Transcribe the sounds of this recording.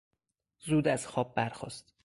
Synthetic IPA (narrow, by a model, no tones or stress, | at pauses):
zuːd̪æz̥xɒːb̚ːæɾxɒ̰ːst̪